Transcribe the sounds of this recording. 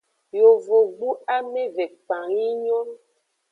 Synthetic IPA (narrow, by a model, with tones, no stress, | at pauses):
jo˨vo˨ɡ͡bu˦a˦me˦vɛ˨k͡pã˨ŋi˦ɲɔ̃˦